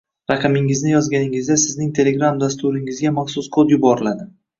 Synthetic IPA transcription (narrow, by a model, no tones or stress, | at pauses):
ɾɑqʰɨmɪŋɪznɪjɒzɡʲanɪŋɪzd̪asɪznɪŋt̪ʰe̞le̞ɡɾamd̪ast̪uɾɪŋɪzɡʲamɑχsʊsqʰod̪jʊbɒɾɪlad̪ɪ